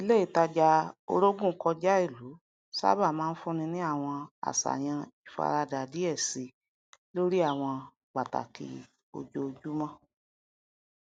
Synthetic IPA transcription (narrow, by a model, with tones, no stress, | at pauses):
i˦le˦i˦˨ta˧d͡ʒa˧o̰˧ɾo˦ɡũ˦˨˦kɔ˧d͡ʒa˦i˦˨lu˨˦ | sa̰˦ba˦˨mãː˦n̩˦fũ˦nĩ˧nĩ˦a˦˨w̃ɔ̃˧a̰˨sa̰˨j̃ã˧i˨fa̰˧ɾa˧da˨di˨˦ɛ˦˨si˧ | lo˦ɾi˦a˦˨w̃ɔ̃˧ | ɡ͡ba˨ta̰˨kʰḭ˧˦ | o̰˧d͡ʒo˧d͡ʒu˦mɔ̃˦˨